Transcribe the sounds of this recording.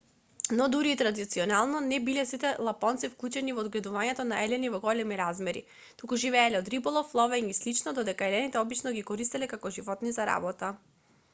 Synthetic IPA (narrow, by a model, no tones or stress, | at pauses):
nɔd̪uɾiːt̪ɾad̪it̪siɔnalˠnɔnɛbilɛsit̪ɛlˠapɔnt̪sifklˠut͡ʃɛnivɔːd̪ɡlɛd̪uvaɲɛt̪ɔnaɛlɛnivɔɡɔlɛmiɾazmɛɾḭ | t̪ukuʒivɛɛlɛɔd̪ɾibɔlˠɔflˠɔvɛɲislit͡ʃnɔd̪ɔd̪ɛkaɛlɛnit̪ɛɔbit͡ʃnɔɡikɔɾist̪ɛlɛkakɔʒivɔt̪nizaɾa̰bɔt̪a